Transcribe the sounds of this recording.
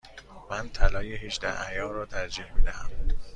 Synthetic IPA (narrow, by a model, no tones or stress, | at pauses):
mænt̪ʰælɒːjehed͡ʒd̪æ̰æjɒːrɒːt̪ʰæɾd͡ʒiːhmid̪æhæm